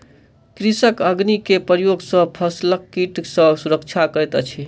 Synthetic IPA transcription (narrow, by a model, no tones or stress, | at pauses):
kɾisəkəɡnikepəɾjoɡsə̃pʰəsləkːiʈsə̃suɾəkt͡ʃʰakəjt̪t͡ʃʰi